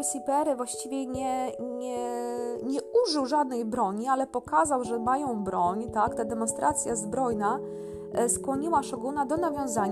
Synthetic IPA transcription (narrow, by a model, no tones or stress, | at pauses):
sʲipɛɾɛvwaɕt͡ɕivʲjɛɲɛɲɛɲɛuʐɘwʐad̪nɛjbɾɔɲialɛpɔkazawʐɛmajɔ̃w̃bɾɔɲt̪akt̪ad̪ɛmɔnst̪ɾʔat̪sʲjazbɾɔjna | skwɔɲiwaʂɔɡunad̪ɔnavʲjɔ̃w̃zaɲ